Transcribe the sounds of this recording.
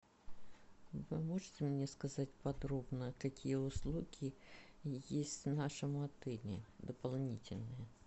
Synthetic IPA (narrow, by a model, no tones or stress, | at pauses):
vɪmoʐɨtʲɪmnʲɛskɐzatʲpɐd̪ɾobnəkɐkʲijɛʊslˠukʲi | jesʲtʲnaʂəmʊɐt̪ɪlʲɪ̰d̪əpɐlˠnʲitʲɪlʲnɨjə